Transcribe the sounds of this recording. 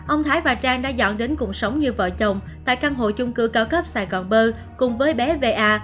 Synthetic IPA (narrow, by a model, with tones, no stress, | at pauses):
ʔə˧wŋ͡mt̪ʰaː˨˦jvaː˨˩t͡ɕaː˧ŋɗaː˧zɔ̰˧˨nɗe˨˦nkʊ˨˩k̚sə˨˦wŋ͡mɲɨ˧və̰ː˧˨t͡ɕə˨˩wŋ͡m | t̪a̰ː˧˨jkaː˧nɦo̰˧˨jt͡ɕʊ˧ŋ͡mkɨ˧kaː˧wkə˦˥p̚saː˧˩jɣɔ˨˩nɓəː˧ | kʊ̰˨˩ŋ͡mvəː˨˦jɓɛ˨˦ve˧ʔaː˧